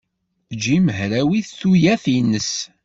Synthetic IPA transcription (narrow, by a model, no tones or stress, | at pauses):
d͡ʒiməɦɾæwiθθujæθinːəs